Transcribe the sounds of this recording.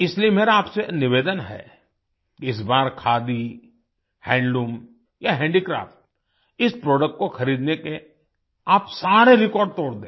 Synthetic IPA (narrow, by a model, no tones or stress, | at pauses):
ɪsliemeːɾaːpsenɪʋeːd̪ənɦɛ̰ | kɪs̬baːɾkʰaːd̪i | hɛ̃ːɳɖɖuːm | jaɦɛ̃ːɳɖikɾa̰ːfʈ̚ | ɪspɾoːɖək̚ʈ̚koxɐɾiːd̪neke | aːpsaːɾeɾɪkɔːɾɖ̚t̪oːɽd̪ẽː